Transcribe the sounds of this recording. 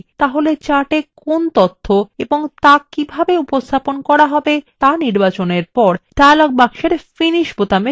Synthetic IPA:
t̪aɦolet͡ɕaʈekont̪ot̪ʰːoeboŋt̪akibʱabeupost̪ʰaponkɔɾaɦɔbet̪aniɾbat͡ɕoneɾpɔɾɖaalok̚bakʃeɾfiniʃbot̪ame

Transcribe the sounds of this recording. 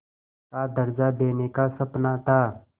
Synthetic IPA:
kad̪əɾd͡ʒad̪eːnekasɐpnat̪a

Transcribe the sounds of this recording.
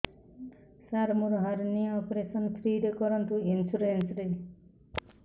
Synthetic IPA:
saɾmuɾɦaɾniɔpɾesʌnt̪ʰɾiɽekɔɾʌnt̪uinsuɾensɾe

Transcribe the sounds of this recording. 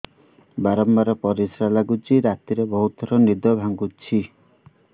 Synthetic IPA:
baɾɔmbaɾɔpɔɾisɾalaɡut͡ʃʰiɾat̪iɾebɔɦut̪ɔɾɔnid̪ɔbʱaŋɡut͡ʃʰi

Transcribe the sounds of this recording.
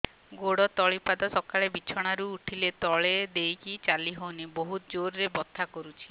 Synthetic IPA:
ɡoɽɔt̪ɔɭipad̪ɔsɔkaɭebit͡ʃʰɔɽ̃aɾuːʈʰilet̪ɔɭed̪ejkit͡ʃaliɦonibɔɦut̪d͡ʒoɾɾebɔt̪ʰːakɔɾut͡ʃʰi̥

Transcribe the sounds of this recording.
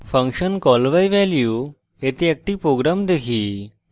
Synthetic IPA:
fə̃ŋkɕənkɔlʋajʋɛlju | et̪eek̚ʈiːpɾoɡɾamd̪ekʰiː

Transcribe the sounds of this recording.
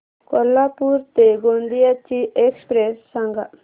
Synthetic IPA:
kɔlːapuɾt̪eɡond̪ijat͡ʃiʔekspɾesːaŋɡa̰

